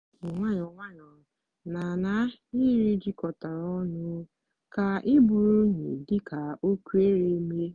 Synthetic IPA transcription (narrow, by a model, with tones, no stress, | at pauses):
ʊ˨ŋʷa˦ɲɔ˨ŋʷa˦ɲɔ˨ | na˨na˦i˦ɾi˦d͡ʒi˦kɔ˨ta˨ɾɔ˦nʊ˦ | ka˨ʔɪ˦bʊ˨ɾu˦ɲḛ˨dɪ˦ka˨o˦kʷu˦e˦ɾe˦me˦